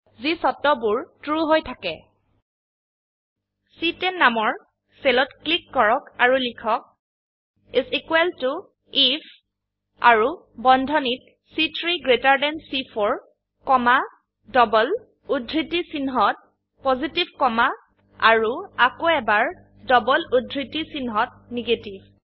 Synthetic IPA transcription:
zisɔtɔbuɹtɹuɦojtʰakɛ̰ | sitɛnːamɔɹ | selɔtklikːɔɹɔkaɹulikʰɔk̚ | isikwɛltu | if | a̰ɹu | bɔndʱɔnit̚ | sitʰɹiɡɹetaɹdɛnsifʰɔɹ | kɔma | dɔbɔl | udʱɹitisinɦɔt̚ | pozitibkɔma | a̰ɹuakoɛbaɹ | dɔbɔludʱɹitisinɦɔt̚ | neɡetib

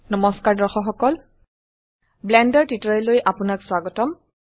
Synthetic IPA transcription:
nɔmɔskaɹdɔɹxɔxɔkɔl | blɛndɔɹtitɔlojʔapʊnakswaɡɔtɔm

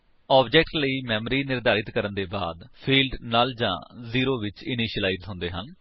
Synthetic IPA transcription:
ɔːbd͡ʒɛːk̚ʈləiːmɛːməɾiːnɪɾd̪aːɾɪt̪kəɾənd̪eːba̰ːd̪pʰiːlɖnaːld͡ʒã̰ːziːɾoːʋɪt͡ʃɪniːʃəlaːizɦʊ̃ːnd̪eːɦən

